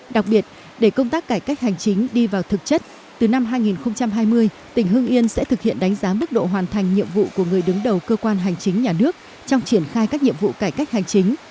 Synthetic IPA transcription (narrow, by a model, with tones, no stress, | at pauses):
ɗa˨˩k̚ɓi˨˩ət̚ | ɗe˧˩kə˧wŋ͡mt̪aː˦˥kːaː˧˩jka˦˥k̟̚ha˨˩jŋ̟t͡ɕï˨˦ŋ̟ɗi˧vaː˨˩wt̪ʰɨ˨˩k̚t͡ɕə˦˥t̚ | t̪ɨ˨˩na˧mɦaː˧jŋi˨˩nxə˧wŋ͡mt͡ɕa˧mɦaː˧jmɨ˧əj | t̪ï˧˩ŋ̟ɦɨ˧əŋʔi˧ənsɛ̰˧˥t̪ʰɨ˨˩k̚hḭ˧˨ənɗa˨˦jŋ̟zaː˨˦mɨ˦˥k̚ɗo̰˧˨ɦwaː˨˩nt̪ʰa˨˩jŋ̟ɲḭ˧˨əmvṵ˧˨ku˧˩əŋɨ˨˩əjɗɨ˨˦ŋɗə˨˩wkəː˧kwaː˧nɦa˨˩jŋ̟t͡ɕï˨˦ŋ̟ɲaː˨˩nɨ˦˥ək̚ | t͡ɕɔ˧wŋ͡mt͡ɕi˧˩ənxaː˧jkaː˦˥k̚ɲḭ˧˨əmvṵ˧˨kaː˧˩jka˦˥k̚ha˨˩jŋ̟t͡ɕi˨˦ŋ̟